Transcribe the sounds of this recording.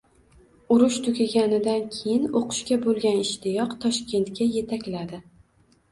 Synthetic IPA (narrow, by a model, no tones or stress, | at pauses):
ʊɾʊʃt̪ʰʊkʲaɡʲanɪd̪ankʲʰejɪnoqʰʊ̥ʃkʲabolˠɡʲanɪʃt̪ɪjɒqt̪ʰɒʃkʲe̞nt̪kʲaje̞t̪ʰakʲlad̪ɪ